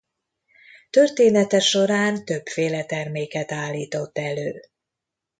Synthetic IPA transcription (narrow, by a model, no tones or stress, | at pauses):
t̪ø̞rt̪eːnɛt̪ɛʃo̞ɾaːnt̪ø̞bfeːlɛt̪ɛrmeːkɛt̪aːlːiːt̪o̞t̪ːɛløː